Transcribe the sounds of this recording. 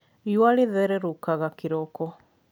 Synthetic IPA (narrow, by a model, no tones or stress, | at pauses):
jwaɾeðɛɾɛɾokaɣakeɾɔkɔ